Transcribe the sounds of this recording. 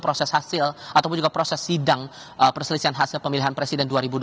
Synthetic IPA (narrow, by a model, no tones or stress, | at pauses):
pɾosɛshasɪlʔat̪awp̬ʊnd͡ʒuɡapɾosɛsːidaŋ | ʔəpərsəlisianɦasɪlpəmiliɦanpɾesidɛnduaɾibud